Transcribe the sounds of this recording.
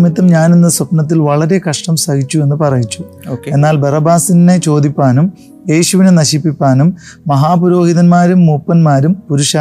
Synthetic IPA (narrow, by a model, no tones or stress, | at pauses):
mjit̪ːɐmɲaːnenːɨsɐpnɐt̪̬ːilʋɐɭɐɾe̞kɐʂʈɐmsɐɡit͡ɕːue̞nːɨpɐrɐjit͡ɕːu̥ | oːke̞nːaːlbɐrɐbaːsinne̞t͡ɕo̞ːd̪ipʲːaːnum | je̞ːɕuʋinenɐɕipːipʲːaːnumː | ɐɦaːpuɾo̞ːhiðɐnmaːɾumːuːpːɐnmaːɾumpuɾuʂaː